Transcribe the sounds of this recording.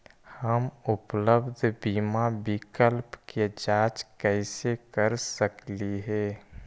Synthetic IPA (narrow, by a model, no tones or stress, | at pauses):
həmʊpləbd̪ʱbiːmabɪkəlpked͡ʒaːt͡ʃkɛɪsekəɾsəkliɦɛː